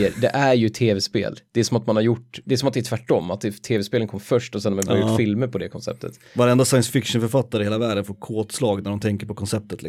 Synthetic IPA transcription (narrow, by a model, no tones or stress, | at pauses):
əɾd̪ɛʔæɾjɵt̪ʰeːvɛspḛːld̪̥ɛæʂɔmat̪manhaɾjʊʈːd̪ɛæʂɔmat̪̚d̪ɛæt̪ʰvæʈːɔmːat̪̚d̪ɛt̪ʰeːvɛspeːlənkʰɔmːfœʂʈɔsɛnːmabɑɾajʊʈːfɪlməɾpʰɔd̪ɛkʰɔnsɛ̰p̚t̪ʰə̰t̪ | vaɾɛnd̪asajənsfɪkʂənfœɾfat̪ːaɾəɪheːlavæːɖənfoːɾkʰoːt̪slɑːɡnæɖɔmt̪ʰɛŋkəɾpɔkʰɔnsɛp̚t̪ət̪lɪ